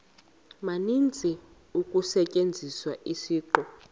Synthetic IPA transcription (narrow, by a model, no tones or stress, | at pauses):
manint͡sʼi | ukʼusɛcʼend͡zʱiswaʔisiːǃɔ